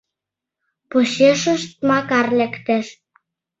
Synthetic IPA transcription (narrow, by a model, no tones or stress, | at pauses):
poɕeʃə̆ʃt̪̚mɑkɑrlækt̪eʃ